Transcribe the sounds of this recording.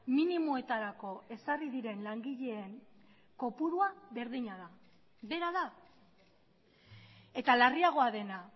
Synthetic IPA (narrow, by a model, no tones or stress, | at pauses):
minimoe̞t̪aɾako̞e̞sariðiɾe̞nlaŋɡiʎe̞ːŋ | ko̞puɾuaβe̞ɾðiɲaða | be̞ɾaða | e̞t̪alariaɣ̞o̞aðe̞na